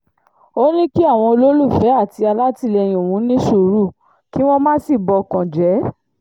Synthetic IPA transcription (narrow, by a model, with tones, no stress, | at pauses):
o˦nĩ˦ki˦a˦˨w̃ɔ̃˧lo˦lu˦˨fɛ˨˦a˦˨ti˧a˧la˦ti˧lɛ˧j̃ĩ˨o˨wũ˨˦nĩ˦su˦˨ɾu˦˨ | ki˦w̃ɔ̃˦mã˦si˦˨bɔ˧kã˨d͡ʒɛ˨˦